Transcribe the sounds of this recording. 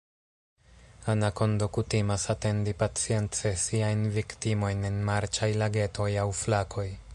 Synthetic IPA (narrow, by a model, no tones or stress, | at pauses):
anako̞ndokutimasate̞ndipat͡sie̞nt͡se̞siajnviktimo̞jnenmaɾt͡ʃajlaɡe̞to̞jawflakʰo̞j